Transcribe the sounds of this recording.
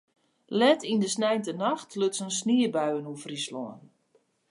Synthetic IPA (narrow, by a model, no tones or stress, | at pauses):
lɛtindəsnɛjntənaxtʰløtsənsniəbœɥənufrislɔ̰ːən